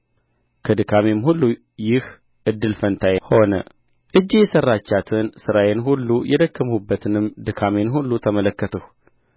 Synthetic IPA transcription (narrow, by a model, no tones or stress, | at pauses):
kʰəd̪ɨkʰamemhulːu | jɪh | ʔɨd̪ːɨlfənt̪ʰajho̞nə̰ | ʔɨd͡ʒːejɛsərːat͡ʃːat̪ʰɨnsɨɾajenɦulːujʔɛd̪əkːəmhubːət̪ʰɨnɨmd̪ɨkʰamenɦulːut̪ʰəmələkːət̪ʰəh